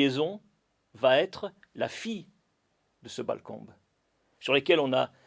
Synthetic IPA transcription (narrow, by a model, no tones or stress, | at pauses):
ezɔ̃ | vaɛt̪χ | lafi | d̪əsəba̰lkɔ̰̃b | syʁlekʲɛlɔ̃na